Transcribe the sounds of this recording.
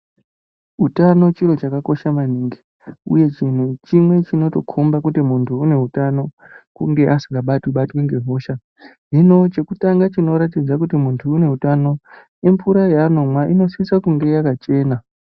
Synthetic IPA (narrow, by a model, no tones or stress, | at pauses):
utano̞t͡ʃiro̞t͡ʃakako̞ʃamaniːŋɡi̥ | ṵje̞t͡ʃin̤ut͡ʃimwe̞t͡ʃino̞to̞kʰombakutimuntʰuːne̞ɦutano̞ | kuŋɡe̞ʔasiŋɡaɓatwiɓatweŋɡe̞ɦo̞ːʃa | ɦino̞t͡ʃe̞kutaŋɡat͡ʃino̞ɾatid͡zakutimuntʰuːne̞ɦutano̞ | empuɾajaːno̞mwaʔino̞swisakuŋɡe̞jakat͡ʃe̞ːna